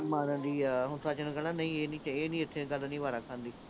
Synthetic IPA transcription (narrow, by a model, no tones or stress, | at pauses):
mãːnə̃nd̪iːɦʊnt̪ʰaːt͡ʃənɡəlãːnəĩːeːnĩːt͡ʃeːnĩːɪt̪ʰːẽɡəlːnĩːʋaːɾakʰːãːnd̪iː